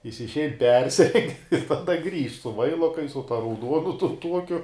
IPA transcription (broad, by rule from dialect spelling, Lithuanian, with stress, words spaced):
ˈjɪs ɪʃʲˈɛɪn ˈpʲɛrʲsʲɪrʲɛŋʲkʲ ɪr tɐˈdɐ ˈɡrʲiːʃt sʊ ˈʋɐɪlˠoːkɐɪs sʊ ˈtɐ rɐʊˈduɔnʊ ˈtʊn ˈtuɔkʲʊ